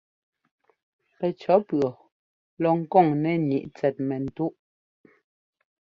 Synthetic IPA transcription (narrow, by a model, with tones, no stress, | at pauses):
pɛ˨t͡ʃɔ˨˦pɰɔ˨ | lɔ˨ŋ̩˦kɔ˦˨ŋnɛ˦˨ɲi˨ʔt͡sɛ˨t̚mɛ˨n̩˨tu˦ʔ